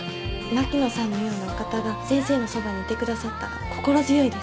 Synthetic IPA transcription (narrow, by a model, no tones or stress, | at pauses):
nakʲino̞sãnːo̞jo̞ːnːakat̪aɡasẽ̞ɰ̃se̞ːno̞sobaɲ̟iːt̪e̞kɯ̟d̪asat̪ːa | kʰo̞̥ko̞ɾzɨjo̞id̪es